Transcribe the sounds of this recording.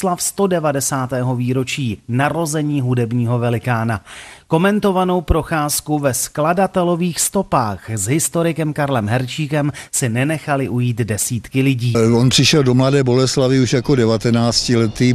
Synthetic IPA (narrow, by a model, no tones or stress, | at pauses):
slafst̪o̞dɛvadɛsaːt̪ɛːɦo̞viːɾo̞t͡ʃiːnaɾo̞zɛɲiːɦudɛbɲiːɦo̞vɛlɪkaːnako̞mɛnt̪o̞vano̞wpɾo̞xaːskuvɛskladat̪ɛlo̞viːxst̪o̞paːxzɦɪst̪o̞ɾɪkɛmkaɾlɛmɦɛɾt͡ʃiːkɛmsɪnɛnɛxalɪʔujiːt̪dɛsiːt̪kɪlɪɟiːonpr̥ɪʃɛldomladɛːbo̞lɛslavɪuʃjakodɛvat̪ɛnaːt͡scɪlɛt̪iː